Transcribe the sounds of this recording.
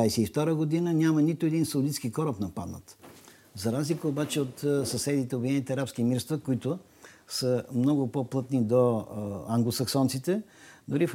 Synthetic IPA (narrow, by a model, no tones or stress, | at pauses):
ajsɛift̪ɔɾəɡod̪inənʲamənit̪ʊɛd̪insɐʊlit̪skikɔɾəpnɐpad̪nə̰t̪ | zɐɾazlikəobat͡ʃɛot̪sɐsɛd̪it̪ɛobvʲid̪iɛnit̪ɛɐɾapskimiɾst̪vəkoit̪ʊ | səmnɔɡʊpoplˠɤt̪nid̪oaŋɡlˠosɐksɔnt̪sit̪ɛd̪ʊɾif